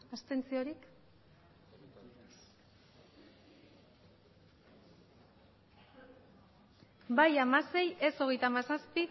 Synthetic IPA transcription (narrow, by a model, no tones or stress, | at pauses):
ast̪e̞nt͡sio̞ɾik | bajamase̞je̞so̞ɣ̞e̞jt̪amasaspi